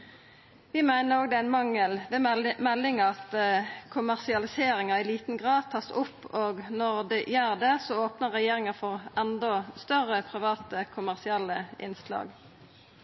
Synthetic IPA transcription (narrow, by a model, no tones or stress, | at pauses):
ʋɪmæɪnəʁoːɡ̚d̪ɛæɪnmɑŋːəlʋɛːmɛlːɪŋɑɑt̪kʰʊmæʁsɪɑlɪseːɾɪŋɑɪliːt̪n̩ɡʁɑːd̪̚t̪ʰɑːsʊpːoːɡnɔʁd̪ɛjøːʁd̪ɛsɔoːpnəʁʁɛjeːʁɪŋɑfɔʁʔɛnd̪ɔst̪œʁəpʰʁɪʋɑːt̪əkʰʊmæʁsɪɛlːəʔɪ̰nslɑ̰ːɡ